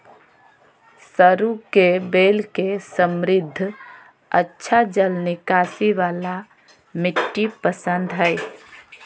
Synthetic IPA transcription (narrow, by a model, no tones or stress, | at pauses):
səɾukebeːlkesəmɾɪd̪ʱː | ətːʃʰad͡ʒəlnɪkaːsiʋaːla | mɪʈːipəsə̃nd̪ɦɛ